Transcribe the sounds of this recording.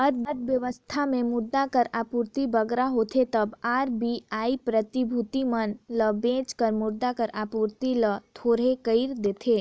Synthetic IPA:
əɾəd̪̚ʋjəʋəst̪ʰamẽmʊd̪akəɾaːpuːɾt̪ibɐɡɾaɦoːt̪ʰet̪ɐbaːɾbiaːipɾət̪ibʱʊt̪imənləbẽːt͡ʃkəɾmʊɾd̪akəɾaːpuːɾt̪ilət̪ʰoːɾɦekəɪɾd̪eːt̪ʰeː

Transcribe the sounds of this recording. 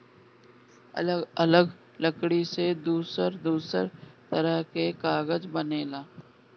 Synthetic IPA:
ɐləɡ | ləkɽised̪uːsəɾd̪uːsəɾt̪əɾəɦkekaːɣəd͡ʒbəneːlaː

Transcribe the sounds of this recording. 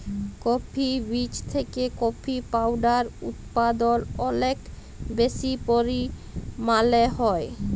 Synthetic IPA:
kopʰibit͡ɕt̪ʰekekopʰipawɖaɾṵt̪pad̪olɔnek | besipoɾi | maleɦɔe

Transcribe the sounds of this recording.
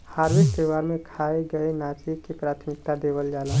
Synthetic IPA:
haːɾbɪk̚t̪ewaːɾmẽkʰaeɡəenaːt͡ʃikepɾaːt̪ʰmɪk̚t̪ad̪eːbəld͡ʒaːla

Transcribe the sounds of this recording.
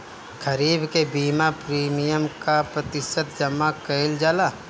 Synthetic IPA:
kʰɐɾiːbkebiːmapɾiːmijəmkapɾɐt̪ɪʃət̪̚d͡ʒɐmːakəɪld͡ʒaːlaː

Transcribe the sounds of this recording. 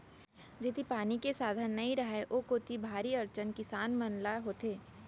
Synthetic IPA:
d͡ʒɪt̪ipaːnikesaːd̪ʱənːɐĩɾɐɦeʔoːkoːt̪ibʱaːɾiɐɾt͡ʃənkɪsaːnmənlaɦoːt̪eː

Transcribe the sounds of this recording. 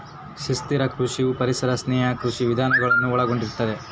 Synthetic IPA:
ʃist̪iɾɐkʰɾuʂiupɐɾisɐɾɐsnɛːɦɐkɾuʂiʋid̪ʱaːnɐɡɐɭɐnːuɔɭɐɡo̞ɳɖiɾt̪ːɐd̪e̞

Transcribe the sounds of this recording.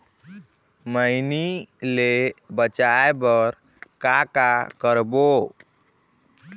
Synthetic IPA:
məjnilebət͡ʃajebəɾ | kakakəɾbo

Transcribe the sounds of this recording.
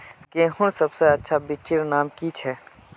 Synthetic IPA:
kehʊnsəbseɐtːʃʰabɪt͡ʃɪɾnaːmkit͡ʃʰɛː

